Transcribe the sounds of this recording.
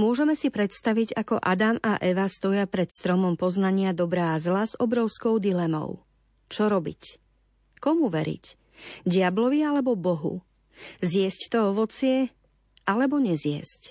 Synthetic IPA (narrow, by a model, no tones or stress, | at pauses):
mʊɔʒɛmɛsipɾɛt̪st̪aʋiɟakɔ̰ʔad̪amaʔɛʋast̪ɔɪapɾɛt̪st̪ɾɔmɔmpɔznaɲɪad̪ɔbɾaːzlazɔbɾɔʊskɔʊd̪ilɛmɔ̰ʊ | t͡ʃɔɾɔbḭc | kɔmuʋɛɾḭc | ɟɪablɔʋialɛbɔbɔɦṵ | zɪɛsct̪ɔɔʋɔt͡sɪɛ | ʔalɛbɔɲɛzɪɛ̰sc